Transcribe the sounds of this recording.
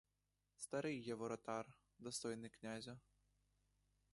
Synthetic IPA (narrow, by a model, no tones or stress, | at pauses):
st̪aɾɨjjɛvɔɾɐt̪ar | d̪ɐst̪ɔjnɨknʲazʲɐ